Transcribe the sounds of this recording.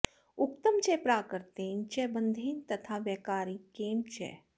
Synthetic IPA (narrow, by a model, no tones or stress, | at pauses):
ʊkt̪əmt͡ʃɛːpɾaːkəɾt̪eːnt͡ʃɛbə̃nd̪ʱeːnt̪ɐt̪ʰaʋjɛːkaːɾikeːmt͡ʃɛ̰ː